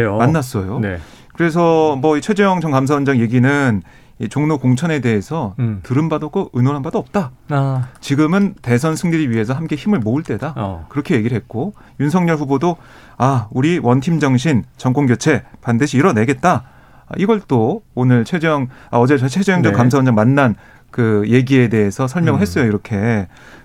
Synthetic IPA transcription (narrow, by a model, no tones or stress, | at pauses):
omanːas͈ʌjone | kɯɾe̞s̬ʰʌmʌit͡ɕʰwe̞d͡ʑejʌŋd͡ʑʌŋkamsʰaʌnd͡ʑaŋje̞ɡinɯn | it͡ɕoŋnokoŋt͡ɕʰʌne̞de̞esʰʌtɯɾɯnbadoɡoɯnoɾɦanbad͈oʌp̚t͈a | t͡ɕiɡɯmɯnte̞sʰʌnsʰɯŋniɾiɥiɦe̞sʰʌɦamk͈e̞çimɯɭmouɭt͈e̞dakɯɾʌkʰe̞je̞ɡiɾɭɦet̚k͈o | junsʰʌŋɲʌɭɸubodo | auɾiwʌntʰimd͡ʑʌŋɕʰint͡ɕʌŋk͈oŋɡjot͡ɕʰe̞pandɯɕʰiːɾʌne̞ɡe̞t̚t͈a | a̰iɡʌɭt͈oonɯɭt͡ɕʰed͡ʑʌŋaʌd͡ʑe̞t͡ɕʌt͡ɕʰed͡ʑʌŋd͡ʑʌk͈amsʰaɯnd͡ʑaŋmanːan | kɯje̞ɡie̞de̞ɦe̞sʰʌsʰʌɭmjʌŋɯɭɦe̞s͈ʌjoiɾʌkʰe̞